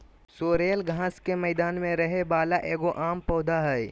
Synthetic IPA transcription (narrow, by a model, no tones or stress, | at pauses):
soːɾeːəlɡʱãːskemɛːd̪aːnmẽɾɐɦebaːlaʔeːɡoʔaːmpɔːd̪ʱaɦɛj